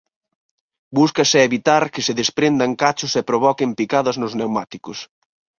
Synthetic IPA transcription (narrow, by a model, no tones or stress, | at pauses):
buskɐsɪeβit̪aɾkɪsɪðespɾend̪aŋkat͡ʃʊsɛpɾoβ̞ɔkɪmpikaðɐznʊznewmat̪ikʊs